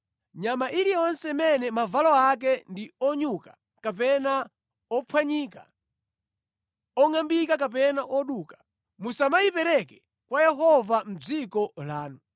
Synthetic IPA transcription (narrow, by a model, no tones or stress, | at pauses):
ɲamaʔiɾiɛɔnsɛmɛnɛmavalɔak̬ɛndiɔɲukḁ | kap̬ɛna | ɔpʰwaɲiːka̰ | ɔŋambikakap̬ɛnaʔɔɗukḁ | musamajipɛɾɛkɛ̥ | kwajɛɦɔvam̩d͡zikɔlaːnu